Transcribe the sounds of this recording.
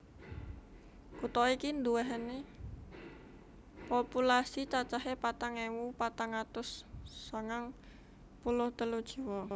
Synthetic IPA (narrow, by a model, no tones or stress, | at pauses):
kut̪ɔikind̪uwɛɦəni | populasit͡ʃat͡ʃaɦepat̪aŋewupat̪aŋat̪ʊsːaŋaŋ | pulʊht̪əlud̥ʒ̥i̤wɔ